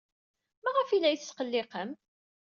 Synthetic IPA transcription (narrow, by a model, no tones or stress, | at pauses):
mæʁəfilæjθsqəlːɪqəm